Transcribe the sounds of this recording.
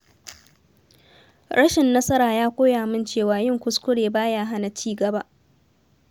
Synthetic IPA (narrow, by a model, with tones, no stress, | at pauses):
ɽɐ˦ʃɪ˨nːɐ˦sɐ˦ɾaː˨jaː˦kʷoː˦jaː˨mɪ˦nt͡ʃeː˦˨waː˨jɪ˦˨ŋkʷʊ˦skʷʊ˦ɽeː˨baː˦jaː˦ɦa˦na˨t͡ʃiː˦ɡɐ˨ba˦ʔ